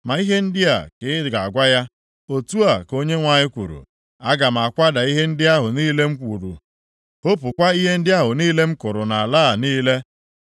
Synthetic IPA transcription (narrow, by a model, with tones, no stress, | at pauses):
ma˨i˦ɦe˦n̩˦dɪ˦a̰˨kɪ˨˦ɪ˦˨ɡa˨a˨ɡʷa˦ja˦ | o˨tu˦a˨ko˦ɲe˦ŋʷa˨ɲɪ˦kʷṵ˨ɾṵ˨ | a˦ɡa˨m̩˨a˨kʷa˦da˨i˦ɦe˦n̩˦dɪ˦a˦ɦʊ˨niː˦le˦m̩˦kʷu˨ɾṵ˨ | o˦pʊ˨kʷa˦i˦ɦe˦n̩˦dɪ˦a˦ɦʊ˨niː˦le˦m̩˦kʊ˨ɾʊ˨na˨a˨la˦˨niː˦le˦